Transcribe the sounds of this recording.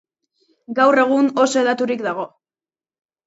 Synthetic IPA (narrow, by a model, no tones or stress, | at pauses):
ɡawre̞ɣ̞uno̞soeðat̪uɾikd̪aɣ̞o̞